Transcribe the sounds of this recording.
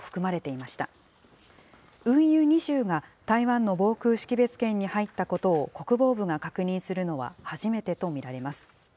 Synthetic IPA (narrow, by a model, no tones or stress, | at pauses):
ɸɯ̟̥kɯ̟maɾe̞t̪e̞imaɕi̥t̪a | ɯ̟̃ɰ̃jɯːɲ̟iʑɨːɡat̪aiβãnːo̞bo̞ːkɯ̟ːɕi̥kʲibe̞t͡sɨ̥kẽ̞ɲ̟ːihait̪ːako̞t̪o̞ːko̞kɯ̟bo̞ːbɯ̟ŋakakɯ̟ɲ̟ĩsɨɾɯ̟no̞βa̰haʑime̞t̪e̞t̪o̞mʲiɾaɾe̞masɨ̥